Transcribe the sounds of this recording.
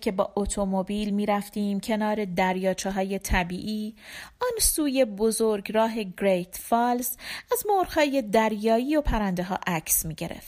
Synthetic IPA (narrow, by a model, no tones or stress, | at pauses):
cʰe̞bɒ̰ːʔot̪ʰo̞mobiːlmiːɾæft̪iːmcʰe̞nɒːɾe̞d̪æɾjɒːt͡ʃʰeɦɒːje̞t̪ʰæbiːʔiːɒːnsuːje̞bo̞zo̞ɾɡɾɒːɦe̞ɡɾejt̪ʰfɒːlsæzmoɾhhɒːje̞d̪æɾjɒːiːo̞pʰæɾænd̪eɦɒ̰ːʔæcʰsmiːɟe̞ɾe̞̰ft̪